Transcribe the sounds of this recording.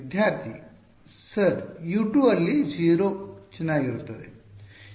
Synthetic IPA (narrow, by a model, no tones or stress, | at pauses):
d̪ʱjaɾt̪ḭ | səɾjuʈuəlːid͡ʑiɾot͡ʃinajuɾt̪oɾḛ